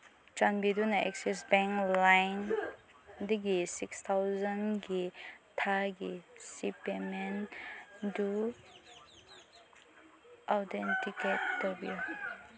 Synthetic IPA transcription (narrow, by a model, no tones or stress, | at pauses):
t͡ʃanbidunaɛ̰ksisbɛ̃ŋlajn | diɡisikst̪ʰawzanɡetʰaɡesipemen | du | ʔawtentiket̚ːɔbi